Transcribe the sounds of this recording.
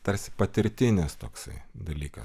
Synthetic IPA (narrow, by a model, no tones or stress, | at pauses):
t̪ɐɾʲsʲɪ̥pɐt̪ʲɪɾʲt̪ʲɪnʲɪst̪oːksɐɪd̪ɐlʲiːkɐ̰